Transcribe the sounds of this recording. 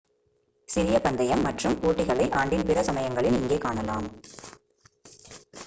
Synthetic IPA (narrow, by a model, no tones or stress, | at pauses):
sɪɾɪjɐpɐnd̪ɐjɐmːɐʈrɯmoːʈːɪɣɐɭɐɪʔaːɳɖɪnpɪrɐsɐmɐjɐŋɡɐɭɪlɪŋɡeːkaːɳɐlaːm